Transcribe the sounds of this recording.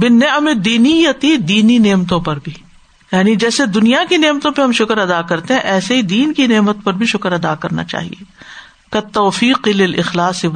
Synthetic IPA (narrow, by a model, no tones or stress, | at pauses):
bɪnːemed̪iːnijɐt̪id̪iːnineːmt̪õpɐɾbʱiː | jaːnid͡ʒɛːsed̪ʊnijakineːmt̪õpeɦɐmʃʊkəɾɐd̪akɐɾt̪eɦɛ̃ʔɛːseɦid̪iːnkineːmət̪pɐɾbʱiʃʊkəɾɐd̪akɐɾna̰t͡ʃa̰ːɦḭeː | kɐt̪ːoːfiːqɪlɪlɪxlaːsɪ